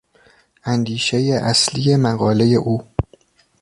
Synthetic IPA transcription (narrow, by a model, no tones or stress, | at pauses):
ʔænd̪iːʃe̞jeʔæslijemæɣɒːle̞je̞ʔuː